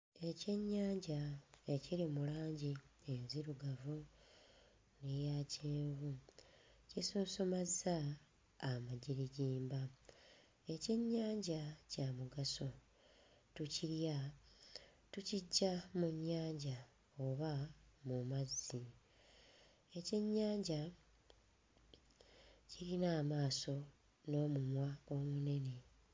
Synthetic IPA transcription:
e̞ce̞ɲːaːɲɟae̞ciɾimulaːɲɟienziɾuɡavu | nejaceːvu | cisuːsomazaː | maɟiɾiɟiːmba | e̞ce̞ɲːaːɲɟacamuɡaso̞ | tuciɾja | tuciɟːamuɲːaːɲɟa | oβamumazːi | e̞ce̞ɲːaːɲɟa | ciɾinaːmaːso̞ | no̞ːmumwaɡo̞ːmune̞ne̞

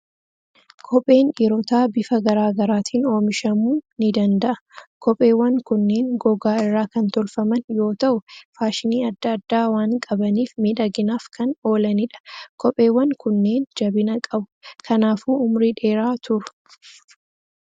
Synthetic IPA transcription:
kʰɔpʼe̞ːnɛɾɔt̪aːbɪfɐɡɐɾaːɡɐɾaːt̪ʰiːno̞ːmɪʃɐmuːnɪd̪ɐnd̪ɐʔɐ̥kɔpʼe̞ːwːɐŋkʊnːe̞ːŋɡɔɡaːɪrːaːkɐnt̪ɔlfɐmɐnjo̞ːt̪ɐʔʊfaːʃɪniːɐd̪ːɐɐd̪ːaːwaːŋkʼɐbɐniːfmiᶑɐɡɪnaːfkʰɐno̞ːlɐnɪᶑɐ̥kɔpʼːe̞ːwːɐŋkʊnːe̞ːnd͡ʒɐbɪnɐkʼɐbʊ̥kʰɐnaːfuːʊmɾiᶑe̞ːɾaːt̪ʰʊɾʊ̥

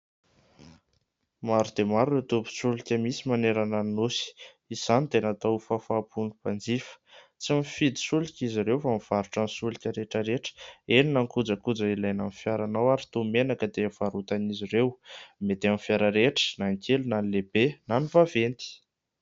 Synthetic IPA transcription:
maɾud̪emaɾunet̪upu̥sulikʲəmisimaneɾanannusi̥ | iz̥anit̪enat̪awfafaːpunupand͡zifə̥ | t͡simifid̪i̥sulikʲiziɾewfamiv̥aɾuʈ͡ʂanisulikʲəɾeʈ͡ʂəɾeʈ͡ʂə̥eninaŋkud͡zəkud͡zəilajnanifjaɾanawaɾit̪omenakəd̪efaɾut̪aniziɾewmet̪eanifjaɾəɾeʈ͡ʂə̥naŋkʰelunanilebenanifavent̪i̥

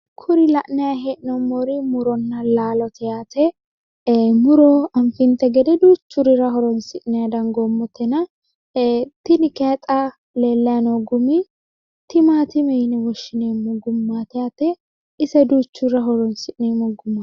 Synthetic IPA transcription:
kʰʊɾɪlɐʔnɛjaɦeːʔnɔmːoɾɪmʊɾɔnːɐlaːlɔt̪ʰɛjaːt̪ɛ | mʊɾɔɐmfɪnt̪ɛɡɛd̪ɛd̪uːt͡ʃːʊɾɪɾɐɦɔɾɔnsɪʔnɛjɐd̪ɐŋɡɔmːɔt̪ʰɛnɐ | t̪ɪnɪkɛt̪ʼa | leːlːɐjanoɡʊmi | t̪ɪmaːt̪ɪmɛjnɛwɔʃːɪneːmɔɡʊmːaːt̪ɛjat̪ɛ | ɪsɛd̪uːt͡ʃːʊɾɐɦɔɾɔnsɪʔnɛmɔɡʊmːa

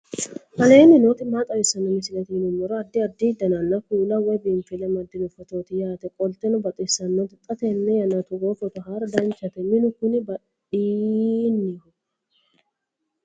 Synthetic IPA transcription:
fɐleːnɪnoːt̪ɪmaːt̪ʼɐwɛsɐnːɐmɪsɪlɛt̪ɪnʊmːɔɾɔɐd̪ːɪɐd̪ːɪd̪ɐnɐnːɐkuːlɐwɔjbɪmfɪlɛmɐd̪ːɪnʊfɔt̪oːt̪ɪjaːt̪ɛkʼɔlt̪ɛnʊbɐt̪ʼɪsːɐnːɔt̪ɪt̪ʼːɐt̪ɛnːɛjɐnɐt̪ʊɡoːfɔt̪ʊɦaɾd̪ɐnt͡ʃːɐt̪ɛnɪnʊkʊnɪbɐᶑ | iːnːɪhʊ

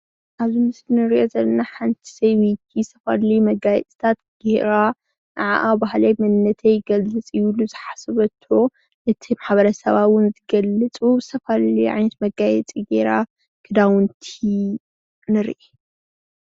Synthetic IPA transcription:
ʔaβzimɨslnɨɾiʔozɐlɐnaħant̪ʰi̥sejwit̪ʰist̪ʰɐfa̰llimɐɡajɛ̰t͡sʼi̥t̪ʰat̪ɡ̥ehɾa | nɨʕa̰ʔabahlajmɐnnɐt̪ʰɐjɡɐlːɨt͡sʼɨjluzɨħasɐβɐt̪ʰːo̞ | ʔɨt̪ʰimaħβɐɾɐsɐβawʊnzɨɡɐlːɨt͡sʼubt̪ʰɐfalliʔʕa̰jnɐt̪mɐɡajɛt͡sʼiɡeɾa | kʰɨd̪awʊnt̪ʰi | nɨɾʔe

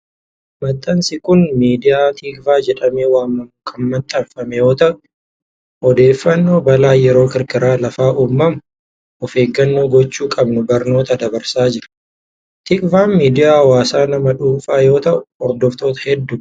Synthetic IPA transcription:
mɐt̪ʼːɐnsɪkʊnmiːd̪ɪjaːt̪ʰiːkʼvaːd͡ʒɛᶑɐmeːwaːmːɐmkʼɐmːɐnt̪ʼɐnfɐmɛjo̞ːt̪ɐʔʊ | ɔd̪e̞ːfːɐnːo̞ːbɐlaːjɛɾo̞ːkɪɾkʼɪɾaːlɐfaːʔuːmːɐmʊ | ɔfe̞ːɡːɐnːo̞ːɡɔt͡ʃːuːkʼɐbnʊbɐɾno̞ːt̪ɐd̪ɐbɐɾsaːd͡ʒɪɾɐ̥ | t̪ɪkʼvaːnmiːd̪ɪjaːwaːsaːnɐmɐᶑuːfaːjo̞ːt̪ɐʔʊɔɾd̪ɔft̪o̞ːt̪ɐ̥hɛd̪ːʊ

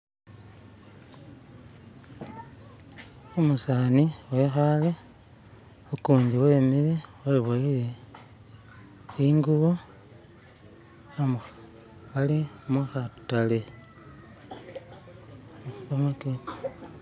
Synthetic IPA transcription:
omusaniwexale | okuːɲɟiwe̞ːmileweβolije | iŋɡuβo̞ | am | alimuxatale̞ | amaken

